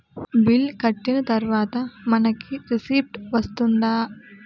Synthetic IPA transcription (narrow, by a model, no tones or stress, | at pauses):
bilkɐʈːinɐt̪ɐɾʋaːt̪ɐmɐnɐkʰːiɾisiːpʈʋɐst̪und̪aː